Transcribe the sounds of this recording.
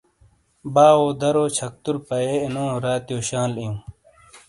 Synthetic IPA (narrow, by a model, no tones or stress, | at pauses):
baːoːd̪ʱɐɾoːt͡ɕʰɐk̚t̪uɾpɐeːinõːɾaːt̪joːɕãːlijũː